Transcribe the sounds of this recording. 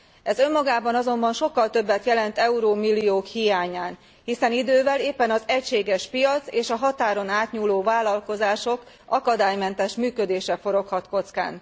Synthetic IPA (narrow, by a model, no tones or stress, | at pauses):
ɛzø̞mːɒɡaːbɒnɒzo̞mbɒnʃo̞kːɒlt̪ø̞bːɛt̪jɛlɛnt̪ɛuɾoːmilːioːkhijaːɲaːn | hisɛnid̪øːvɛleːpːɛnɒzɛcʃeːɡɛʃpijɒt̪seːʃɒɦɒt̪aːɾo̞naːt̪ɲuːloːvaːlɒlko̞zaːʃo̞k | ʔɒkɒd̪aːjmɛnt̪ɛʃmyːkø̞d̪eːʃɛfo̞ɾo̞khɒt̪ko̞t̪ska̰ːn